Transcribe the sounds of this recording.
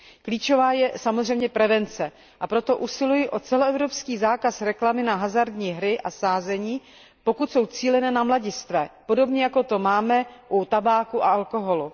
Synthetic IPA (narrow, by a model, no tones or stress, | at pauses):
kliːt͡ʃo̞vaːjɛsamozrɛjmɲɛpɾɛvɛnt͡sɛ | ʔapɾo̞t̪o̞ʔusɪlujɪʔo̞t͡sɛloɛvɾo̞pskiːzaːkasɾɛklamɪnaɦazaɾdɲiːɦɾɪʔasaːzɛɲiː | po̞kut̪so̞wt͡siːlɛnɛːnamlaɟɪst̪vɛːpo̞do̞bɲɛjako̞t̪o̞maːmɛʔut̪abaːkuʔaalko̞ɦo̞lu